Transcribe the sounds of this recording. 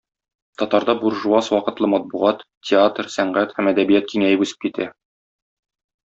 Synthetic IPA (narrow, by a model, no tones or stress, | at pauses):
t̪ɒt̪ɑɾd̪ɑbuɾʒuɑswɒqɤ̆t̪lˠɤmɒt̪̚buʁɑt̪ | tʲːɪat̪rsæɴɢæt̪hæmæd̪æbijæt̪̚kiŋæjɘpʉsɘ̥p̚kit̪æ